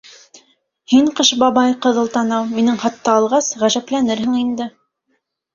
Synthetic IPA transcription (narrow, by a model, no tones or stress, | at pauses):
hiɴqɤʃbɑβɑjqɤ̆ðɤ̆lˠt̪ɑnɑwminɘŋχɑt̪ːɑːlˠʁɑsʁæʒæplænɘɾhɘŋind̪ɘ